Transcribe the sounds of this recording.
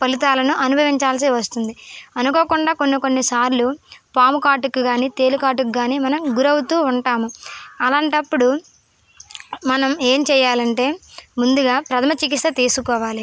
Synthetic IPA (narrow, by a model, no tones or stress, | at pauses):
pɐlit̪aːlɐnuʔɐnubʱɐʋiɲt͡ʃaːls̬iʋɐst̪und̪iɐnuko̞ːkuɳɖaːko̞nːiko̞nːisaːɾlupaːmukaːʈukuɡaːniːt̪e̞ːlukaːʈukɡaːniːmɐnɐmɡuɾɐwut̪uːuɳʈaːmuɐlaːɳʈɐpːuɽu | mɐnɐme̞ːmt͡ʃɛːjaːlɐɳʈe̞ːmund̪uɡaːpɾɐd̪ɐmɐt͡ʃik̬ist̪ɐt̪iːsukɔːʋaːli